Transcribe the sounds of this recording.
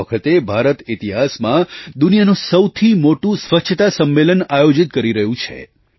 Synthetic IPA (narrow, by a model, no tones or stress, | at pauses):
əkʰət̪ebʱaɾət̪ɪt̪iɦasmãd̪unijanũsəwt̪ʰimoʈũsʋət͡ʃʰət̪asəmːelənajod͡ʒit̪̚kəɾiɾəɦũt͡ʃʰḛ